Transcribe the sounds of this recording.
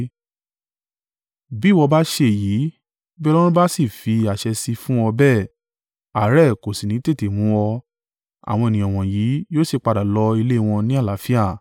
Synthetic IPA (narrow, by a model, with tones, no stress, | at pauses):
bi˦˨wɔ˧ba˦ʃe˧˨jiː˨˦ | bɛ˦lɔ̃˦ɾ̃ũ˦ba˦si˦˨fi˧a˨ʃɛ˧si˧fũ˦ɔ˧bɛ˦˨ | a˨˦ɾɛ˦˨ko˨si˨nĩ˨˦te˦˨te˨mũ˨˦ɔ˧ | a̰˨w̃ɔ̃˧e˨nĩ˨ɔ̃˨w̃ɔ̃˨ji˨˦joː˦si˦˨k͡pa˧da˨lɔ˧˦i˧le˦˧˨w̃ɔ̃˧nĩ˦a˦˨la˨˦fi˦a˦˨